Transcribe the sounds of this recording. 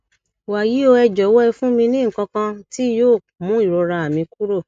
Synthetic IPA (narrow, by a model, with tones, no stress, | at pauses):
wa˨ji˨˦o˧ɛ˧d͡ʒɔ˨˦wɔ˦ɛ˧fũ˦mĩ˧nĩ˦ŋ̩˨kã˧kã˧ti˦joː˦˨ | mũ˨˦i˦˨ɾo˧ɾa˧a˨mĩ˧ku˦ɾo˦˨